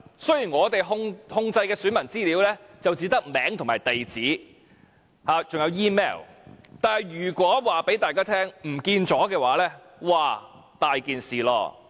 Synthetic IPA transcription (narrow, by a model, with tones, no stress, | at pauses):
sɵ˥ɥjiː˨˩nŋɔː˨˧t̪e˨jɦʊ˧ŋhʊ˧ŋt͡sɐ˧jkɛː˧sy˨˥nmɐ˨˩nt͡siː˥liː˨˥wlɛː˥ | t͡sɐ˨wt͡siː˨˧˥t̪ɐ˥k̚mɛː˨˥ŋt̪ʰʊ˨˩ŋmaː˨˩jt̪e˨jt͡siː˨˥ | haː˨˧t͡sʊ˨ŋjɐ˨˧wjiː˥mɛ̰ː˥˩wt̪aː˨nhɐ˨˩jɥyː˨˩kʷɔː˨˥waː˨pe˨˥jt̪aː˨jkaː˥t̪ʰɛː˥ŋm̩˨˩kiː˧nt͡sɔː˨˥kɛː˧waː˨˧˥lɛː˥ | waː˨ | t̪aː˨jkiː˨nsiː˨˩lɔ̰ː˧